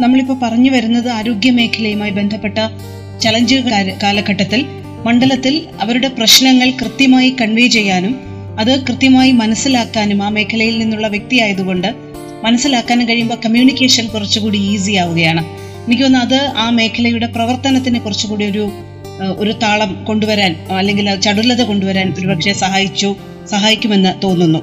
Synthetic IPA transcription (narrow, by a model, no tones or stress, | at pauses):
nɐmːɐɭipːoːpɐrɐɲːuʋɐɾunːɐðɨaːɾo̞ːɡjɐme̞ːkʰːɐlɐjumaːjibe̞nd̪ʱɐpːe̞ʈːɐ | t͡ɕɐlɐɲd͡ʑiɣɐkaːlɐkːɐʈːɐt̪ːil | mɐɳɖɐlɐt̪ːil | ɐ̰ʋɐɾuɽe̞prɐɕnɐŋːɐɭkrɨt̪jɐmaːjikɐɳʋeːt͡ɕe̞jːaːnum | ɐðɨkrɨt̪jɐmaːjimɐnɐsːilaːkːaːnumaːme̞ːkʰːɐlɐjilninːuɭːɐʋjek̚t̪ijaːjɐðuɣo̞ɳɖɨ | mɐnɐsːilaːkːaːnumkɐɻijumbo̞ːkɐmjuːnikʲːe̞ːʂɐnkurɐt͡ɕːukuːɽiiːs̬ijaːʋuɣɐjaːɳɨ | enikʲːuonːɐɐðɨaːme̞ːkʰɐlɐjuɽe̞prɐʋɐrt̪ɐnɐt̪ːinɨkurɐt͡ɕːukuːɽijo̞ɾu | o̞ɾut̪aːɭɐmko̞ɳɖuʋɐɾaːnɐlːe̞ŋɡilɐt͡ɕɐɽulːɐðɨko̞ɳɖuʋɐɾaːno̞ɾupɐkʂe̞sɐɦaːjit͡ɕːu | sɐɦaːjikʲːume̞nːɨt̪o̞ːnːunːu